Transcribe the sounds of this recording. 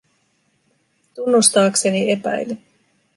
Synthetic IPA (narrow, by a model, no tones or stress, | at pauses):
t̪unːust̪ɑːkse̞nie̞pæ̰jlːe